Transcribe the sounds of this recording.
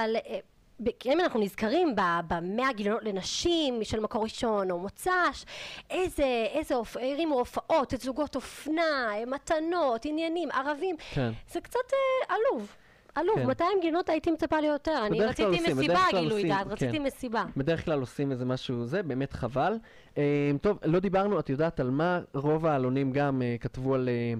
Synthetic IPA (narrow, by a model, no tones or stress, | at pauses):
aal | bkiemanaχnunizkaʁimbabameaɡilono̞tlenaʃimʃelmako̞ʁiʃo̞no̞mot͡saʃezeezeofejʁimofaʔo̞tzuɡo̞to̞fnamat̪ano̞tinjanimʔaʁavimknzekt͡sateʔaluv | ʔaluvmat̪ajimɡino̞taitimet͡sapalejote̞ʁanbeieakt͡slaloimeisiebaaɡlailujaːtʁat͡skt͡st̪imesibabed̪eʁeχklalo̞simezemaʃuzebe̞ːme̞t̪χaval | emt̪o̞vlo̞d̪ibaʁnuatjo̞d̪aːtalmaʁo̞vaːlo̞nimɡamekatvuale